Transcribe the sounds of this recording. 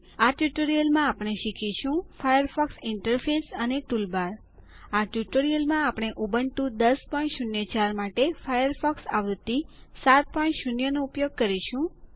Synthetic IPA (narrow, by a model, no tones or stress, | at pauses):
aʈjuʈoɾijəlmãapɽ̃eʃikʰiʃũfʰajəɾfʰɔksɪɳʈəɾfʰesəneʈulbaɾ | aʈjuʈoɾijəlmãapɽ̃eʔubənt̪ũd̪əspɔĩɳʈʃunjət͡ʃaɾmaʈefʰajəɾfʰɔksa̰ʋt̪ːisat̪̚pɔĩɳʈʃunjənoupjoɡ̚kəɾiʃũ